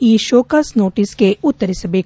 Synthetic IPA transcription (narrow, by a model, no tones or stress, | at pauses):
iːʃoːkasnoːʈɪskeʊt̪ːəɾesəbʱe